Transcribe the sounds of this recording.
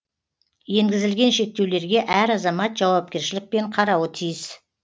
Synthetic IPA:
je̞ŋɡʲɪzɪlɡʲe̞nʃe̞k̚t̪e̞wle̞ɾɡʲe̞ʔæɾɑzɑmɑt̪ʒ̥ɑwɑp̚kʲe̞ɾʃɪlɪk̚pe̞ɴqʰɑɾɑwət̪ʰijɪs

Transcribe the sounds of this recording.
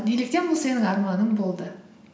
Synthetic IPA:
bijlɪk̚t̪enbʊlˠse̞nɪŋɑɾmɑnəmbolˠd̪ə

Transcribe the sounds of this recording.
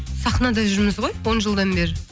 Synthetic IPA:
sɑχnɑd̪ɑʒʏɾmɪzʁo̞jwo̞nʒəlˠd̪ɑnbe̞ɾɪ

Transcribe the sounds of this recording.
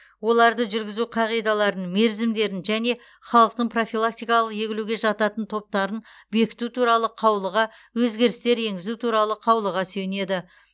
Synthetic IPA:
wo̞lˠɑɾd̪əʒʏɾɡʲɪzuqʰɑʁijd̪ɑlˠɑɾənme̞ɾzɪmd̪e̞ɾɪnʒæne̞ | χɑlˠəq̚t̪əɴpʰro̞filˠak̚t̪ijkɑlˠəqje̞ɡʲɪluɡʲe̞ʒɑt̪ɑt̪ənt̪ʰo̞p̚t̪ɑɾən | be̞kʲɪ̥t̪ut̪ʰuɾɑlˠəqʰɑwlˠəʁɑ | wɵzɡʲe̞ɾɪst̪e̞ɾe̞ŋɡʲɪzut̪ʰuɾɑlˠəqʰɑwlˠəʁɑsɵjne̞d̪ɪ

